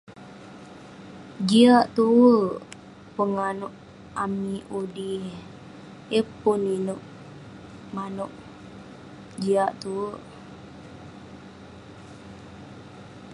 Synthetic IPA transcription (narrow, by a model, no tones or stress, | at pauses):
ɡiaʔt̪uwəʔ | pəŋanuʔ | amiudi | epuninuʔ | manuʔ | ɡiaʔt̪uwəʔ